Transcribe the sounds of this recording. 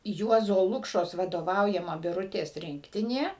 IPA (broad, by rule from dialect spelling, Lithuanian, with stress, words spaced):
ˈjuɔzoː ˈlˠʊkʃoːs ʋɐdoːˈʋɐʊjɛmɐ bʲɪˈrʊtʲeːs ˈrʲɪŋktʲɪnʲeː